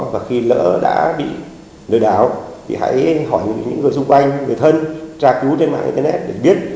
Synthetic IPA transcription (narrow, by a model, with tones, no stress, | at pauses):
vaː˨˩xi˧lə̰ː˧˥ɗa̰ː˧˥ɓḭ˧˨ | ɗɨː˨˩jɗaː˨˩˦wt̪ʰḭ˨˩ha̰ː˧˥jɦɔ˧˩jɲɨ̰˧˥ŋːɨ˨˩əjsʊ˧ŋ͡mkwa˧jŋ̟ŋɨ˨˩əjt̪ʰə˧nt͡ɕaː˧ku˨˦t͡ɕe˧nma̰ː˧˨ŋʔḭ˧t̪ə˧nɛ˦˥t̚ɗɨ˨˩k̚ɓi˦˥ət̚